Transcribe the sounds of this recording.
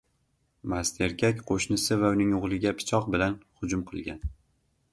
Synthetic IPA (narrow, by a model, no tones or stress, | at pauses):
mast̪ʰeɾɡʲakʲqʰoʃnɪsɪvaʊnɪŋʊʁlˠɪɡʲapʰɪ̥t͡ʃʰɒq̚bɪlanhʊd͡ʒʊmqʰɨ̰lˠɡʲan